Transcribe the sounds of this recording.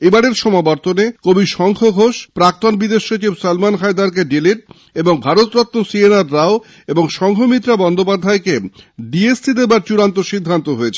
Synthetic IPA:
ejbaɽeɾʃɔmabɔɾt̪onekobiʃɔŋkʰoɡʱoʃpɾak̚t̪onbid̪eʃːot͡ɕibsalmanɦajd̪aɾk̬eɖiliʈ̚ | eboŋbʱaɾot̪ɾɔt̪ːosienaɾːao | eboŋʃɔŋkʰomit̪ːɾabɔnd̪opad̪ʱaekeɖiessid̪ebaɾt͡ɕuɾant̪oʃid̪ʱːant̪oɦoet͡ɕʰe̥

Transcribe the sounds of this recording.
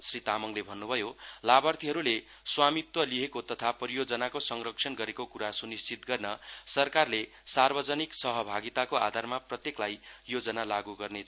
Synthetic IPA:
srit̪amʌŋlebʱʌnːubʱʌjolabʌrt̪iɦʌɾule | swamit̪wʌliɦekot̪ʌt̪ʰaprijod͡zʌnakosʌŋrʌk̚sʰʌnɡʌɾekokuɾasunist͡sit̪̚ɡʌrnʌsʌrkarle | sarbʌd͡zʌniksʌɦʌbʱaɡit̪akoa̰d̪ʱarmaprʌt̪jeklaj | jod͡zʌnalaɡuɡʌrne

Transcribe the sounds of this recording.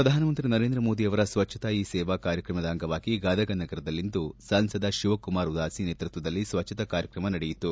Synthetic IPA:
pɾɐd̪ʱaːnɐmɐnt̪ɾinɐɾe̞ːnd̪ɾɐmoːd̪iɐʋɐɾɐsʋɐt͡ʃʰːɐ̥t̪ɐiːsɛːʋakaːɾjɐkɾɐmɐd̪ɐːŋɡɐʋaːɡiɡaːd̪ɐɡɐnːɐɡɐɾɐd̪ɐlːind̪usɐnsɐd̪ɐʃuʋɐkumaːɾud̪aːsineːt̪ɾut̪ʋɐd̪ɐlːisʋɐt͡ʃʰːɐt̪ɐkaːɾjɐkɾɐmɐnɐɽɛjit̪ːu

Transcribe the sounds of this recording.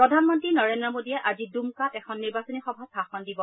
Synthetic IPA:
pɹɔdʱanmɔntɹinɔɹendɹɔmodijɛʔazidumkatɛkʰɔnːiɹbasɔnixɔbʱasaxɔndibɔ

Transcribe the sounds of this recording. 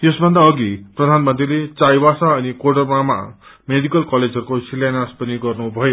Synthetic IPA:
t̪esbʱʌnd̪aʌɡiprʌd̪ʱanmʌnt̪rilet͡sajbasaːnikoɽʌrmama̰ | meɖikʌlkʌled͡zʱɦʌɾukosilanaspʌniɡʌrnubʱʌjo

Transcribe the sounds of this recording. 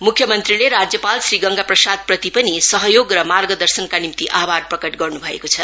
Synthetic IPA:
mukʰjʌmʌnt̪rileɾad͡zjʌpalsriɡʌŋɡaprʌsad̪̚prʌt̪ipʌnisʌɦʌjoɡrʌmarɡʌd̪ʌrsʌnkanimt̪iʔabarprʌkʌʈɡʌrnubʱʌḛkot͡sʰʌ

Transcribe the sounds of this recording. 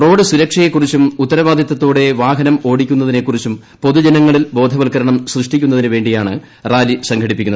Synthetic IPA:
ro̞ːɽɨsuɾɐkʂɐjekːurit͡ɕːumut̪ːɐɾɐʋaːd̪ʱjɐt̪ːɐt̪ːoːɽe̞ʋaːɦɐnɐmo̞ːɽikʲːun̪ːɐðine̞kːurit͡ɕːum | po̞ðud͡ʑɐnɐŋːɐɭilbo̞ːd̪ʱɐʋɐlkɐɾɐɳɐmsrɨʂʈikʲːunːɐðinɨʋe̞ːɳɖijaːɳɨ | raːlisɐŋɡʰɐɽipːikʲːunːɐ

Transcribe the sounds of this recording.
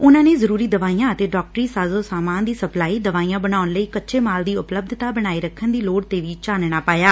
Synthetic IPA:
ʊnãːneːzəɾuːɾiːd̪əʋaːiːjãːət̪eːɖɔːk̚ʈəɾiːsaːzoːsaːmaːnd̪iːsəplaːiːd̪əʋaːiːãːbənaːʊnləiːkətːʃʰeːmaːld̪iːʊpləb̚d̪ʱt̪aːbəɽ̃aːiːɾəkʰːənd̪iːloːɽt̪eːʋiːt͡ʃaːnɽ̃aːpaːjaː

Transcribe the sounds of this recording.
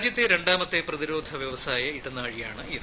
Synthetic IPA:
d͡ʑjɐt̪ːe̞ɾe̞ɳɖaːmɐt̪ːeprɐðiɾo̞ːd̪ʱɐʋjɐʋɐsaːjɐiɽɐnːaːɻijaːɳɨiðɨ

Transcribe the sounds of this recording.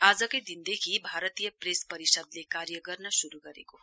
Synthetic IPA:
ad͡zʌkʌjd̪ind̪ekʰibʱaɾʌt̪ijʌpɾespʌɾisʌd̪lekaɾjʌɡʌrnʌsuɾuɡʌɾḛko

